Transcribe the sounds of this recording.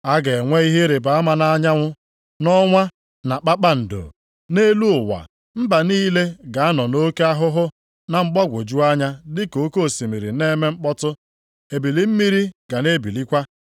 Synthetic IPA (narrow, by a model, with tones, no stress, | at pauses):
a˦ɡe˨ŋʷe˦i˦ɦe˦ɾe˨ba˨a˦ma˨na˦ɲa˦ŋʷʊ˦ | nɔ˦ŋʷa˦ | na˨k͡pa˦k͡pa˦n̩˨do̰˨ | ne˦lu˦ʊ˨wa̰˨ | m̩˦ba˨niː˦le˦ɡa˨a˦nɔ˨no˦ke˦a˦ɦʊ˦ɦʊ˦ | na˨ŋ͡m̩˦k͡pɔ˦ɡʷo˨d͡ʒu˦a˦ɲa˦dɪ˦ko˦ko˦˨si˨mi˨ɾi˨ne˦me˦ŋ͡m̩˦k͡pɔ˦tʊ˦ | e˨bi˨li˦m̩˦mi˦ɾi˦ɡ̥a˨ne˦bi˨li˦kʷa˦